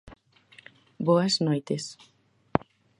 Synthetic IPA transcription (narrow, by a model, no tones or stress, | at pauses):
boɐznojt̪es